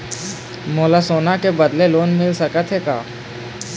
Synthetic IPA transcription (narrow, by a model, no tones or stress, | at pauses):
moːlasoːnakebɐd̪leloːnmɪlsɐkət̪ɦɛka̰ː